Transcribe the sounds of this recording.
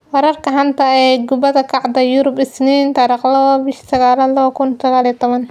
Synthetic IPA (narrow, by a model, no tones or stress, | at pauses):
wɛɾɐrkʰɐɦɐnt̪ʰɐɛɡʊbɐðɐkʰɑʕd̪ɐjuɾʊbɪsniːnt̪ɑɾiqlɐɐbɪʃsɐɣaːlɐlɐβɐkʰʊnsɐɣaːliɐt̪ʰɔβɐn